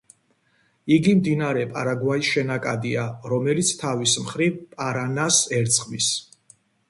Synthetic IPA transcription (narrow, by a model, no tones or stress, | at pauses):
iɡimd̪inaaɾɛpʼaɾaɡwaisʃɛnakʼad̪iaɾɔmɛlit̪sʰt̪ʰavismχɾivpʼaɾanasɛɾt̪sʼqʼmis